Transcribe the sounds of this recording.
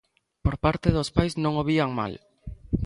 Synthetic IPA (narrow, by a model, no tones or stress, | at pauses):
poɾpaɾt̪eðospajznõŋoβiaŋma̰l